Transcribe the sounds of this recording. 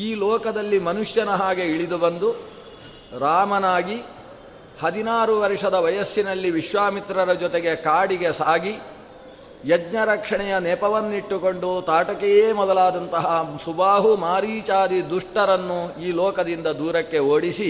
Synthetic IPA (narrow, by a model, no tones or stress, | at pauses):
iːlɔːkɐd̪ɐlːimɐnuʂjɐnɐɦaːɡe̞iɭid̪ubɐnd̪u | ɾaːmɐnaːɡi | hɐd̪inaːɾuʋɐɾʂɐd̪ɐʋɐjɐsːinɐlːiʋiʃʋaːmit̪ɾɐɾɐd͡ʒɔt̪eɡe̞kaːɽiɡe̞saːɡi | jɐd͡ʒɲɐɾɐkʂɐɳɛjɐnɛːpɐʋɐnːiʈːuko̞ɳɖut̪aːʈɐkɛjeːmɔd̪ɐlaːd̪ɐnt̪ɐɦɐsubaːɦumaːɾiːt͡ʃaːd̪id̪uʂʈɐɾɐnːuiːlɔːkɐd̪ind̪ɐd̪uːɾɐkːe̞oːɽisi